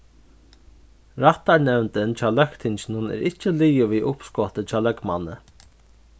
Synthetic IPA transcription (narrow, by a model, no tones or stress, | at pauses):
ɾaht̪aɹnɛvnt̪ɪnt͡ʃʰaːlœkt̪ʰɪɲt͡ʃɪnʊnɛ̰ːɾʔɪht͡ʃəliːɪviʔʊpskɔt̪ət͡ʃʰaːlœkma̰nːə̰